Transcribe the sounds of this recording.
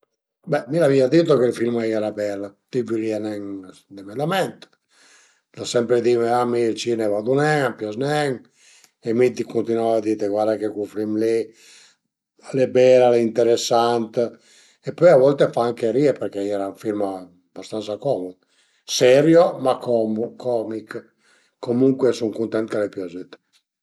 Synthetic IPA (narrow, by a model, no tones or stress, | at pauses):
bɛmilaviad̪it̪̬okelfilmiɛɾabɛlːat̪ipjuliɛnɛŋ | d̪ɛmɛd̪amɛnt̪ | d̪asɛmpɾed̪imeamilt͡ʃinɛvad̪unɛŋapjɔznɛŋ | ɛmit̪ikunt̪inavad̪it̪eɡwaɾd̪akekufɾimli | alɛbɛlalɛint̪ɛɾɛsːant̪ | ɛpːɔjavɔlt̪efaaŋkeɾiɛpɛɾkɛiɛɾauɱfilma | bast̪ant̪sakɔmu | sɛɾjomakɔmukʰɔmik | kːomuŋkwɛsuŋkunt̪ɛnt̪kalɛpjɔzit̪